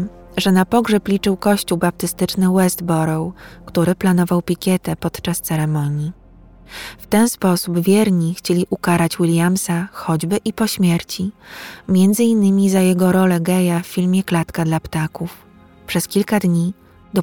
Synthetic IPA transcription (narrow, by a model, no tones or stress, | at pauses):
ʐɛnapɔɡʐɛplʲit͡ʂɘwkɔɕt͡ɕuwbap̚t̪ɘst̪ɘt͡ʂnɘwɛzd̪bɔɾɔwkt̪uɾɘplanɔvawpʲikʲɛt̪ɛpɔt̪t͡ʂast̪sɛɾɛmɔɲji | ft̪ɛnspɔsubvʲjɛɾɲixt͡ɕelʲiʔukaɾat͡ɕwilʲjamsaxɔd͡ʑbɘʔipɔɕmʲjɛɾt͡ɕimʲjɛnd̪zɘinːɘmʲizajɛɡɔɾɔlɛɡɛjafːʲilmʲjɛklat̪kad̪lapt̪akuf | pʂɛskʲilkad̪ɲi | d̪ɔ